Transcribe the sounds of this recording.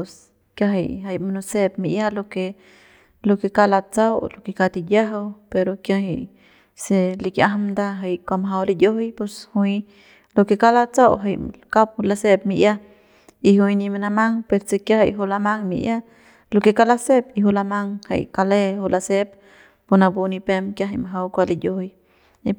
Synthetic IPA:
s | kja˦ɦe˧jɦa˧jmanuse˦p̚miʔja˦lo˧ke˧ | lo˧ke˧ka˦la˧t͡sa˦wlo˧ke˧ka˧t̪i˧d̪ja˦ɦe˧wpe˧ɾo˧kja˦ɦe˧j | seli˧kja˦ɦmd̪a˧ɦe˧jkʷa˧mɦa˧wli˧d̪jo˦hjpe˧shui | lo˧ke˧ka˦la˧t͡sa˦wɦe˧jka˦p̚hula˧se˦p̚miʔja˦ | i˧ɦu˧jni˧me˧na˧ma˦ŋpeɾse˧kja˦ɦe˧jɦu˧la˧ma˦ŋmḭ˧ʔja˦ | loke˧ka˦lase˦piɦu˧la˧ma˦ŋhḛ˧jka˧le˦hu˧lase˦pː | o˧na˧bu˧ni˧pe˦mkja˦ɦe˧jmaɦa˧wkʷa˧lid̪jo˦hj | i

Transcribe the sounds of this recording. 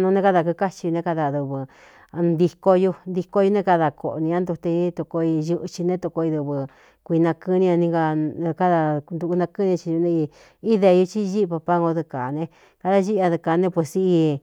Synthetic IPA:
nũ˧nẽ˧ka˦ða˧ku˧ka˦t͡ʃi˧ju˧nẽ˧ka˧ða˧˨ðu˧βɨ˧ | nd̪i˧ko˧ju˧nd̪i˧ko˧˦ju˧nẽ˦˧ka˧ða˧ko˨ʔnĩ˧ã˦nd̪u˧t̪e˧˦t̪u˧ko˧i˧ʒu˧ʔt͡ʃi˧nẽ˦t̪u˧ko˧i˧ðu˧βɨ˧ | kʷi˧nã˧kɨ˦nĩ˧ã˧nĩ˧ŋɡa˧ka˦ða˧nd̪u˧u˧nã˧kɨ˦nĩ˧t͡ʃi˧u˧nẽ˧i˧ | i˦ðe˧ju˧t͡ʃi˦˧ʒi˦˧pa˧pa˦ŋɡo˧ðɨ˧ka˨nẽ˧ | ka˧ða˦ʒi˦˧a˧ðɨ˧ka˨˧nẽ˦pwe˨si˧i˧

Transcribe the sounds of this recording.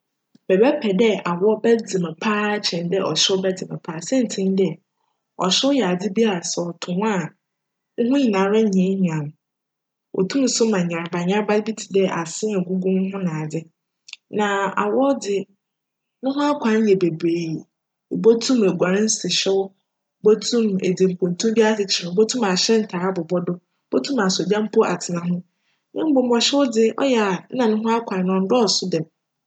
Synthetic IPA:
b̥ɛ˨bɛ˦pʰɛ˨dɛ˦a˨wɔ˦bɛ˦d͡zɪ˨mɛ̃˨pʰaː˦t͡ɕʰɛ̃˨ndɛ˦ʔɔ˨ɕɪ˦bɛ˦d͡zɪ˨mɛ̃˨pʰaː˦˨sɛ̃˦n̩˨tʰĩ˦n˦dɛ˦˨ | ɔ̰˨ɕɪ˦jɛ˨a˨dɪ˦bi˦a˦ɾa˨sɔ˨tʰʊ̃˨m˦a˦˨ | ŋ̩˦ɦʊ̃˦ɲĩ˨nã˨˦ɾɛ˦ɲɛ̃˨˦ɲ˨ã˨ñ˨ | wʔɔ̰˨tʰũ˦m̩˨˦sʊ˦mã˨ɲã˨ɾba˨ɲã˦ɾba˦bi˦tʰi̥˨dɛ˦ʔa˨sɪ̃˦ɛ˨ɡu˦ɡũ˦n˦hʊ̃˦nã˨dɪ˦ | nã˨a̰˨wɔ˦dɪ˨ | nʊ̃˦ɦʊ̃˦a˦kʷʰã˨˦n˦jɛ˨be˨beː˨ | bɔ˦tʰũ˦me˨ɡʷa˨ɾɪ̃˦n̩˦sɪ˨ɕɛ˦wʊ˦ | bɔ˦tʰũ˦˨mḛ˨dɪ˨m̩˨pʰõ˨n˨tʰũ˦bi˦a˦sɪ˨t͡ɕʰɪ˨ɾɪ̃˨bɔ˦tʰũ˦ma˨ɕɛ˦n̩˨tʰa˨a˦bʊ˨bɔ˦dʊ˦ | b̥ɔ˦tʰũ˦mã˨so˨dã˦m̩˦pʰɔ˦ʔa̰˨tʰɪ˨nã˨ɦʊ̃˦ | nɪ̃˦m̩˦bʊ˨m̩˦bɔ˨ɕɛ˦wʊ˦dɪ˦ʔɔ̰˦jɛ˦˨a˨˦nã˨nʊ̃˦ɦʊ̃˦a˦kʷʰã˨n˦nã˨n̩˦dɔ˦ɔ˨sʊ˦dɛ˨

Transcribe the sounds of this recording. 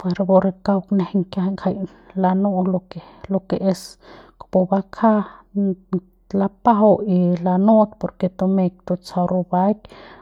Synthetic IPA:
pwe˨ɾbo˧ɾe˧ka˧wkne˧hŋkja˧ŋkʰa˧j | la˧nu˦lo˧ke˨ | lo˧ke˨ʔe˧skpo˧ba˧kʰa˦ | la˧pa˦ɦa˧˦i˧la˧no˦t̪po˨ɾke˧t̪o˧me˧k̚t̪o˧t͡sa˧wɾo˧ba˦k

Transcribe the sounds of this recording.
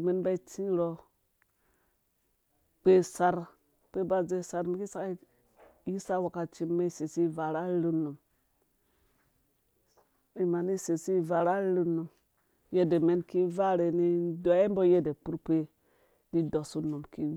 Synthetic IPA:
me˦nba˦i˦t͡ʃi˦ɾo˨ | k͡pe˦sa˨ɾ | k͡pe˦ba˦d͡ʒe˦˨sa˨ɾmi˦ki˦sa˦ki˦ | ji˦sa˦wa˨ka˨t͡ʃi˦mːe˦se˨si˦˨va˨ɾa˦ɾi˦nːu˨m | i˨ma˨ni˦se˨si˦˨va˨ɾa˦ɾu˦nu˨m | je˦de˨me˦nki˦va˦ɾe˨ni˦do˨e˦mbo˦je˦de˨pu˦ɾk͡pe˦ | ni˦do˨su˦nu˨mki˦

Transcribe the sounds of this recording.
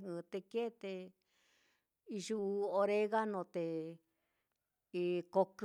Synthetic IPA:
ɨ̃˧t̪e˧ke˦˧t̪e˧ | i˧ʒu˦˧o˧ɾe˦ɣa˦nõ˧t̪e˨˧ | ko˧k

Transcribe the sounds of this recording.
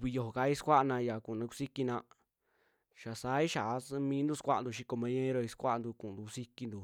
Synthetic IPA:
βi˧jo˧ho˨ka˧˦i˦skʷa˦ʔnã˧ja˨ku˨nã˧ku˧si˦ki˧nã˧ | ʃa˨saː˦i˦ʃa˨˧˦mĩː˧˦nd̪u˦˧skʷa˦ʔnd̪u˧ʃ̬i˧ko˧mẽ˧˦ɲẽ˦ɾo˧i˧skʷa˦ʔnd̪u˧kũ˧˨d̪u˨˧si˧ki˧nd̪u˨

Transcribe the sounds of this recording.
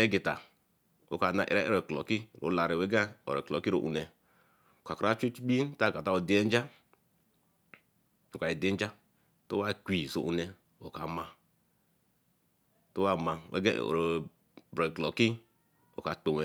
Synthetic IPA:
e˦ɡi˨ta˨ | o̰˨ka˨˦na˨ʔḛ˨ɾa˦ḛ˦ɾe˨klo˨ki˦˨ɾo̰˨˦la˨ɾi˨we˦ɡa˦o̰˨ɾe˨ko˨ki˦ɾo̰˨ʔṵ˨ne˨ | ka˨kɾa˦t͡ʃe˦t͡ʃi˦k͡pi˦ta˦˨ɡa˨ta˦o˨di˨˦e˦n˦d͡ʒa˦ | o˨ka˨i˨di˦n˦d͡ʒa˦ | to˦wa˦˨kʷi˨zo̰˨ʔu˨ne˨ | o̰˨ka˨ma˨ | to˦wa˦˨ma˨wʔḛ˦ɡa̰˦˨ɾ | bɾo˨klo˨ki˦ | o̰˨ka˨to˨we˨

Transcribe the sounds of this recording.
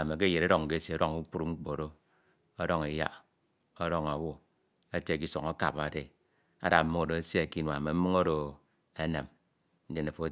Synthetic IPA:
me˨k̬e˦je˨ɾe˦ɾɔ˨ŋ̩˨ke˦se˨o˦ɾo˦ŋu˦k͡pu˦ɾu˦ŋ͡m̩˦k͡po˨ɾo˦ | o˦ɾo˦ŋe˨ja̰˦ | o˦ɾo˦ŋa˨wo˦ | e˦te˨ki˦so˨ŋo˦ka̰˨pa˨de˨ | a̰˦da˨m̩˦ɨ˦ŋo˨do˨e˦sje˦e˨ki˦nwa˨me˨m̩˦mɨ˦ŋo˦ɾo˨ | e˦ne˨m | n̩˦de˨ne˨fo˦

